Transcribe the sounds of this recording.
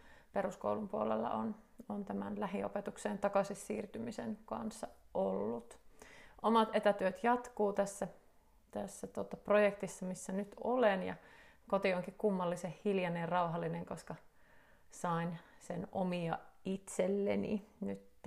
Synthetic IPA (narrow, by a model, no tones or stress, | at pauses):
peɾusko̰ulumpuolḛlːɑ̰ʔonont̪æmæ̰nlæɦio̰pet̪ukseːnt̪ɑkɑsisːiːrt̪ymisenkɑ̰nsːɑʔolːut̪ʔomɑt̪et̪æt̪yøt̪jɑt̪kuːt̪æsːæ | t̪æsːæt̪uot̪ːɑprojekt̪isːɑmisːænyt̪ʰolenjɑ̰kot̪ioŋkikkumːɑlːisehhiljɑnejɑrɑuɦɑlːineŋkoskɑ | sɑinsenomiɑit̪selːḛnḭnyt̪ː